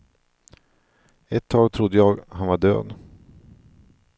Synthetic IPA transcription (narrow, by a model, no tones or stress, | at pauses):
ɛt̪ʰːɑːɡt̪ʰɾʊd̪ːəjɑːɡhanvaɖø̰ːd̪